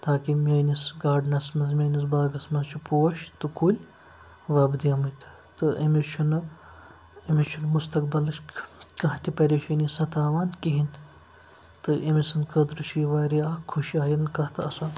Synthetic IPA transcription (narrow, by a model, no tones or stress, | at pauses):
t̪aːkimʲɐːnisɡaːɖnɐsmɐzmʲɐːnis̬baːɡɐsmɐzt͡ʃʰipuːɐʃt̪ɨkʰulʲ | ʋɐːbd̪ijɐmɐt̪ʰ | t̪ɨʔɐ̰mit͡ʃʰunɐ | imʲit͡ʃʰunmust̪ɐk̚bɐlɐʃʲkɐɦt̪ʲipɐɾʲeʃɐnisɐt̪aːʋaːnkiɦin | t̪ɨʔimisɐnkɐd̪ɾɨʃʰiʋaːɾiaːkʰuʃaːjinkɐht̪ʰɐɐsɐn